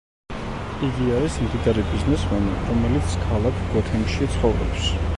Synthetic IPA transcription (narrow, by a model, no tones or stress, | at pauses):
iɡiaɛsmd̪id̪aɾibiznɛsmɛnḭɾɔmɛlit̪sʰkʰalˠakʰɡ̥ɔt̪ʰɛŋkʃit̪sʰχɔvɾɔps